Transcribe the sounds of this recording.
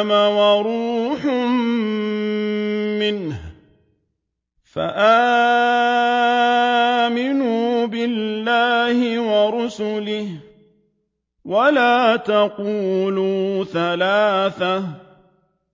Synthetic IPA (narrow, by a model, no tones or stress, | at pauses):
mawaɾuːħʊm | mɪnh | fa̰ʔaː | mɪnuːbɪlːaːhɪwɑɾʊsʊlɪh | walaːt̪aquːluːθalaːθa